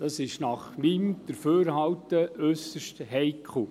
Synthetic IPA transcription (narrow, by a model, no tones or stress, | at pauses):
d̥ɑsɪʃnɑχmimd̪̥əɾføːɾhɑwtəʔœsəʃthɛjkʰχl̩